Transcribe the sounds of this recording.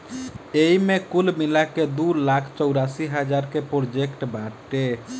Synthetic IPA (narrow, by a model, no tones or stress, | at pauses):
eimekulmilaked̪ulakʰt͡ʃɔʊɾasiɦəd͡ʒaɾkepɾoɾd͡ʒekʈbaʈe